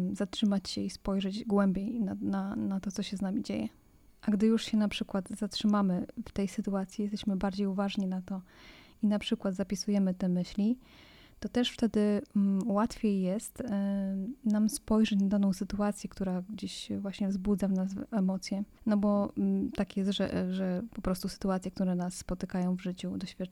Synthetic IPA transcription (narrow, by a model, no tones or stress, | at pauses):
zatʂɘmat͡ɕɕɛispɔjʐɛd͡ʑɡwɛmbʲjejnananat̪ɔsɔɕɛznamʲid͡ʑḛjɛ | ʔaɡd̪ɘjuʂɕɛnapʂɘkwat̪zatʂɘmamɘft̪ɛjsɘt̪uat̪sʲjijɛst̪ɛɕmɘbaɾd͡ʑejuvaʐɲinat̪ɔinapʂɘkwad̪zapʲisujɛmɘt̪ɛmɘɕlʲi | t̪ɔt̪ɛʂft̪ɛd̪ɘwat̪fʲjejːɛst̪ | namspɔjʐɛt͡ɕnad̪anɔ̃w̃sɘt̪uat̪sʲjɛkt̪uɾaɡd͡ʑeɕvwaɕɲɛvzbud̪zavnasvɛmɔt̪sʲjɛnɔbɔt̪akjɛst̪ʐɛ̰ʐɛpɔpɾɔst̪usɘ̥t̪uat̪sʲjɛk̚t̪uɾɛnasːpɔt̪ɘkajɔ̃w̃vʐɘt͡ɕud̪ɔɕfʲjat